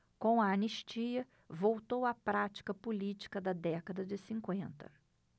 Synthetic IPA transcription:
kõw̃ɐɐniʃt͡ʃiɐ | vowt̪owɐpɾat͡ʃi̥kɐpulit͡ʃi̥kɐd̪ɐd̪ɛkɐd̪ɐd͡ʒɪsĩŋkwẽnt̪ɐ̰

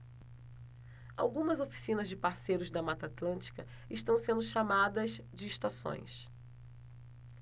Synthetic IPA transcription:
a̰wɡũmɐzofi̥sĩnɐzd͡ʒɪpaɾsejɾʊzd̪ɐmat̪ɐat̪lɐ̃nt͡ʃi̥kɐ | ɪʃt̪ɐ̃w̃sẽnd̪ʊʃamad̪ɐzd͡ʒɪːʃt̪asõ̰j̃s

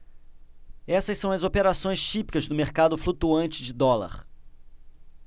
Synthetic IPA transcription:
ɛsɐsɐ̃w̃ɐzopeɾasõj̃st͡ʃipi̥kɐzd̪ʊmeɾkad̪ʊflut̪uɐ̃nt͡ʃɪd͡ʒɪd̪ɔlɐ̰ɾ

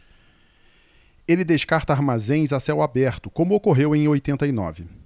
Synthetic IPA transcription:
elɪd̪eʃkaɾt̪ɐaɾmazẽj̃zasɛwabɛɾt̪ʊkõmʊokoɦewẽj̃ojt̪ẽnt̪ɐinɔ̰vɪ

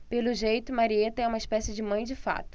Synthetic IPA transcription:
pelʊʒejt̪ʊmaɾiet̪ɐɛũmɐiʃpɛsɪd͡ʒɪmɐ̃j̃d͡ʒɪfa̰t̪ʊ̥

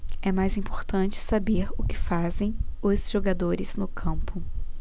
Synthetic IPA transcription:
ɛmajzĩpoɾt̪ɐ̃nt͡ʃɪ̥sabeɾʊkɪ̥fazẽj̃ʊzʒ̥oɡad̪oɾɪz̥nʊkʰɐ̃mpʊ

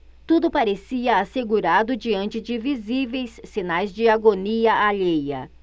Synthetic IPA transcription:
t̪ud̪ʊpaɾesiɐaseɡuɾad̪ʊd͡ʒiɐ̃nt͡ʃɪd͡ʒɪvizivejsːinajzd͡ʒɪaɡoniɐʔaʎejɐ̰

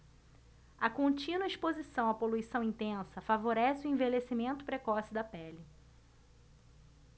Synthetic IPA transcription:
ɐkõnt͡ʃĩnwɐiʃspozisɐ̃w̃ɐpoluisɐ̃w̃ĩnt̪ẽsɐfavoɾɛsɪʊẽvelesimẽnt̪ʊ̥pɾekɔsɪd̪ɐpɛlɪ

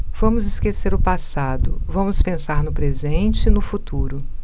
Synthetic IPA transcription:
v̥ɐ̃mʊzɪskeseɾʊpasad̪ʊ̰vɐ̃mʊspẽsaɾnʊpɾezẽt͡ʃɪnʊfut̪uɾʊ

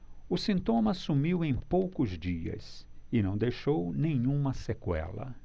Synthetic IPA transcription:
ʊsĩnt̪õmɐsumiwẽj̃powkʊzd͡ʒiɐ̰sɪnɐ̃w̃d̪ejʃownẽɲũmɐsekwɛ̰lɐ̰

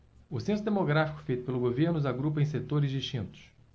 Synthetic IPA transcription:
ʊsẽsʊd̪emoɡɾafi̥kʊ̥fejt̪ʊ̥pelʊɡoveɾnʊzaɡɾupɐẽj̃set̪oɾɪzd͡ʒiʃt͡ʃĩnt̪ʊ̥s

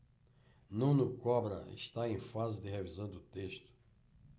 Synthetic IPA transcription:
nũw̃nʊkɔbɾɐ̰ɪ̰ʃt̪aẽj̃fazɪd̪ɪɦevizɐ̃w̃d̪ʊt̪eʃt̪ʊ̥

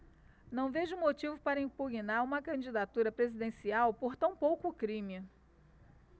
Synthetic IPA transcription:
nɐ̃w̃veʒʊmot͡ʃivʊpaɾɐĩpuɡinaɾũmɐkɐ̃d͡ʒid̪at̪uɾɐpɾezid̪ẽsiawpoɾt̪ɐ̃w̃powkʊkɾĩmɪ

